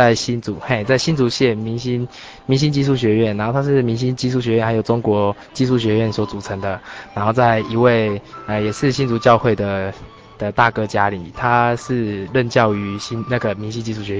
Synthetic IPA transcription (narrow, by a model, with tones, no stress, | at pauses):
a˥˩ɪɕi˥nt͡su˨˩xe˥˩t͡sa˥˩ɪɕi˥nt͡su˧˥ɕjɛ˥˨˩nmi˧˦ŋɕi˥n | mi˧˦ŋɕi˥nt͡ɕi˥˧ʂu˥˩ɕɥɛ˧˥ɥɛ˥˩na˧nxo˥˩a˥ʂɻ̩˥˩mi˧˥ŋɕ̬i˥nt͡ɕi˥˧ʂu˥˩ɕ̬ɥɛ˧˥ɥɛ˥˩nha˧˥ɪjo˨ʊʈ͡ʂo˦˥ŋkwɔ˧˥ | t͡ɕi˥˧ʂu˥˩ɕɥɛ˧˥ɥɛ˥˩nswɔ˨˥t͡su˨˩ʈ͡ʂʰə˧˦ŋd̪ə˧na˧˥nxo˥˧ʊt͡sa˥˩ɪi˧˥we˥˩ɪə˨jɛ˨˩ʂɻ̩˥˧ɕi˥nt͡su˧˥t͡ɕjɑ˥˧ʊxwe˥˩ɪd̪ə˩ | d̪̥ə˨t̪a˥˨˩kɤ˥˦t͡ɕja˦li˨˩˦t̪ʰa˦ʂɻ̩˥˧lə˥˧nt͡ɕjɑ˥˨ʊy˧˥˦ɕi˥nna˥˩ɡə˩mi˧ŋɕi˥nt͡ɕi˥˧ʂu˥˩ɕɥɛ˧˦˥